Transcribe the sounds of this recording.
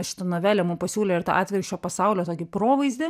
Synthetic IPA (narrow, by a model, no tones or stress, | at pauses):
ʃʲɪ̥t̪ɐnoːʋʲæːlʲɛmuːmpɐsʲuːlʲɛːɪɾt̪ɑ̰ʔɑːt̪ʲʋʲɪɾʃʲt͡ʃʲoːpɐsɑʊlʲoːt̪oːkʲɪpɾoːʋɐɪzʲd̪ʲɪ